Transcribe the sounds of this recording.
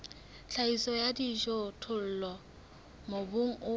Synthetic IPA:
t͡ɬʰaisɔjadiʒɔtʰʊl̩lɔ | mobʊŋ̩ʊ

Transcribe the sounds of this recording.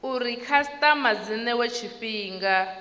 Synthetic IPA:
urikʰastʼamad͡zinɛwet͡ʃʰifiːŋɡa

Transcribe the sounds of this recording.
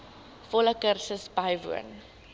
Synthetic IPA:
fɔləkərsəsbɐjvṵə̰n

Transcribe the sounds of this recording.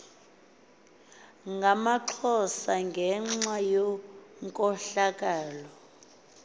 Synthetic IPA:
ŋɡʱamaǁʰɔsaŋɡʱɛŋ͡ǁwajɔŋkʼɔɬakʼaːlɔ

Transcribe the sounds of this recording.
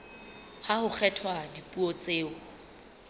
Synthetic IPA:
hahʊk͡xʰɛtʰwadipʼuɔt͡sʼeːʊ

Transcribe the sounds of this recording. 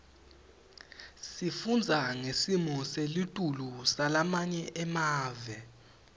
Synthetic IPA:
sifund͡zʱaŋesimɔselitʼulusalamaɲɛʔɛmaːvɛ

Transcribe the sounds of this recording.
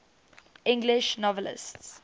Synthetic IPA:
ɪ̃ŋɡlɪʃnɔvəlɪ̰sts

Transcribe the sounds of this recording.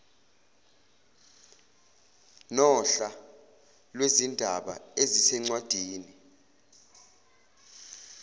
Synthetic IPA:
nɔɬa | lwezindʱaɓa̰ezisɛŋ͡ǀwad̥ʱiːni

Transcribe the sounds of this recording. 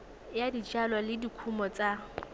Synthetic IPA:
jadit͡ʃʼalwalɪdikʰumɔt͡sʼa

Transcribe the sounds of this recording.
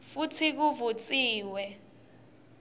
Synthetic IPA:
futʰik̬uvut͡sʼiːwɛ

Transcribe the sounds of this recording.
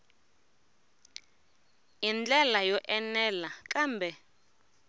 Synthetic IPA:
ind͡ɮɛlajɔʔɛnɛlakʼaːmbʱɛ

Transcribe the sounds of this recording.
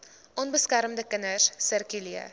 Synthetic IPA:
ʔɔnbəskæɾmdəkənərsərkyliə̰

